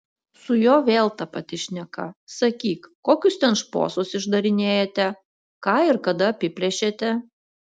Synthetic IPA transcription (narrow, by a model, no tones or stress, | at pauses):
sʊjoːʋʲeːlˠt̪ɑpɐt̪ʲɪʃʲnʲɛkɐ̰sɐkʲiːkkoːkʲʊst̪ʲɛnʃpo̰ːsosɪʒd̪ɐɾʲɪnʲeːjɛt̪ʲɛ | kɑːɪɾkɐd̪ɐɐpʲɪpʲɾʲɛʃʲet̪ʲɛ